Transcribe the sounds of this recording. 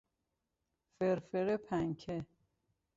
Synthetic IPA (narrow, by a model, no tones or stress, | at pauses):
feɾfeɾepʰæŋkʰe